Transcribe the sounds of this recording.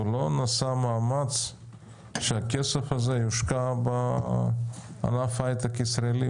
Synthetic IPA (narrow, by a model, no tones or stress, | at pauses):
ulonasamamat͡s | ʃeakesefazejuʃkaba | a̰nafajt̪akisɾaeli